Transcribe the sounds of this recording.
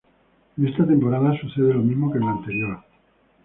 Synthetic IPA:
nest̪at̪e̞mpo̞ɾaðasuθeð̞elo̞mizmo̞kenlant̪e̞ɾjo̞ɾ

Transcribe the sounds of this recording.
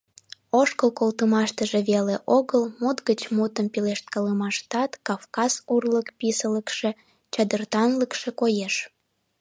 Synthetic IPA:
oʃkəlkolt̪əmɑʃt̪əʒeβeleʔoɣəlmut̪ɣət͡ɕmut̪əmpileʃt̪̚kɑləmɑʃt̪ɑt̪kɑfkɑzurləkpisələkʃe̽ | t͡ɕɑd̪ərt̪ɑnləkʃekojeʃ

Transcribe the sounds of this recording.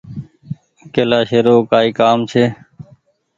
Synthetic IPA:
keːlaːʃeːɾoːkaːiːkaːmt͡ʃʰeː

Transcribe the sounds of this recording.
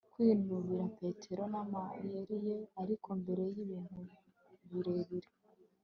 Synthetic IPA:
kwiːnuβiɾape̞tʰe̞ɾo̞namajeɾijeaɾikʰo̞mbe̞ɾe̞jiβiːn̥u | βiɾe̞βiɾe

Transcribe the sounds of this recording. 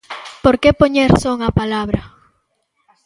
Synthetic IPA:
poɾkepoɲeɾsoŋapalaβɾɐ

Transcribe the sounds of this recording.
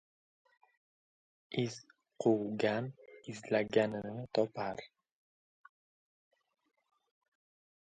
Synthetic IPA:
ɪz̥ | qʰuwɡʲanɪzlaɡʲanɪnɪɪt̪ʰɒpaɾ

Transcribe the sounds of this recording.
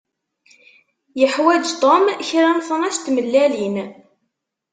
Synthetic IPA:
jəħwæd͡ʒt̪ˤomçɾænθənæst̪məlːælin

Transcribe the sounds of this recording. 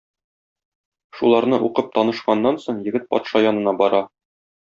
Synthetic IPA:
ʃulˠɑɾnɤʔuqɤp̚t̪ɒnɤ̆ʃqɑnːɑnsoɴjɘ̆ɡɘt̪̚pɒ̰t̪ʃɑjɒnɤ̆nɑbɒɾɑ

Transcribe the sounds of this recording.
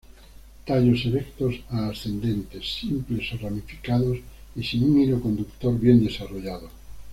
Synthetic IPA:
t̪aʎoseβekt̪osaːsθe̞nd̪e̞nt̪e̞sːimple̞soramifi̥kaðosisinuŋiɾoko̞nd̪ukt̪oɾβje̞nd̪e̞saroʎaðo

